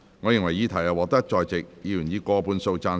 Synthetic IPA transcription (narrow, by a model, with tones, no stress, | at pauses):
ŋɔː˨˧jɪ˨ŋwɐ˨˩jiː˨˧t̪ʰɐ˨˩ja˨˧wɔː˨˧k̚t̪ɐ˥k̚t͡ʃɔː˧jt͡sɪ˨k̚jiː˨˧jyː˨˩njiː˨˧kɔː˧puː˧nso˧wt͡saː˧